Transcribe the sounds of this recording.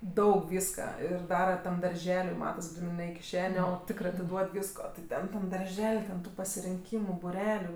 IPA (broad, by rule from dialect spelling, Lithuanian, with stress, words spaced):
ˈdɐʊk ˈʋʲiːskɐ ˈɪr ˈdɑːrɐ tɐm dɐrʲˈʒʲæːlʲʊɪ ˈmɑːtɐs ˈɡrʲiːnɜ nʲɛ ɪ kʲɪˈʃʲæːnʲeː oː ˈtʲɪkrɐɪ ɐtʲɪˈduɔt ˈʋʲiːskoː tʲɪ ˈtʲɛn tɐm dɐrʲˈʒʲɛlʲ tʲɛn tʊ pɐsʲɪrʲɪŋʲˈkʲiːmʊ bʊˈrʲæːlʲʊ